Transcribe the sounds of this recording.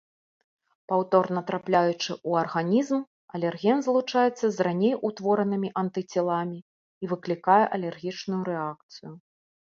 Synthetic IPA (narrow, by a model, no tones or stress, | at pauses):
pawt̪ɔrnɐt̪ɾaplʲajut͡ʂɨʔuɐrɣanʲizm | ɐlʲɛrɣʲɛnzlˠut͡ʂajɛt̪sːɐzranʲejut̪vɔɾɐnɨmʲiʔɐnt̪ɨt͡sʲɛlˠamʲiː | vɨklʲikajɛʔɐlʲɛrɣʲit͡ʂnujuɾɛak̚t̪sɨju